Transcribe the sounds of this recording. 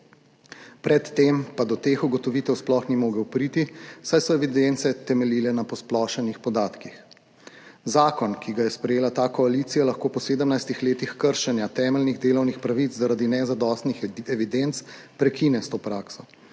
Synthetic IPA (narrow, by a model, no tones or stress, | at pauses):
pɾɛt̪ːempad̪ɔt̪eːxuɡɔt̪ɔʋiːt̪ɛwsplɔxnimoːɡɛwpɾiːt̪isajsɔɛʋid̪ent̪sɛt̪ɛmɛliːlɛnapɔsplɔʃɛnixpɔd̪aːt̪kix | zaːkɔnkiɡajɛspɾɛjeːlat̪aːkɔaliːt̪sijalɐxkoːpɔseːd̪əmnajst̪ixleːt̪ixkəɾʃɛnjat̪ɛːmɛlniɣd̪eːlɔwnixpɾaʋit̪zzaɾad̪inɛzad̪ɔːst̪nixɛʋid̪ent̪s | pɾɛkiːnɛst̪oːpɾaːksɔ